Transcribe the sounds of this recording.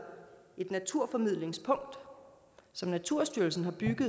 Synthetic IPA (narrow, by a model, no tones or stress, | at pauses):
e̝d̥næt͡sʰuɐ̰fɒ̽mið̞̰ˠle̝ŋspʰɔ̽ŋ̰d̥ | sɒ̽mnæt͡sʰuɐ̰sd̥yɐlsn̩hɑ̈b̥yɡ̥ð̩ˠ